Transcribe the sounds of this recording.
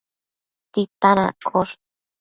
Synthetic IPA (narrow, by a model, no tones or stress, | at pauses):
t̪it̪ana̰kʰoɾ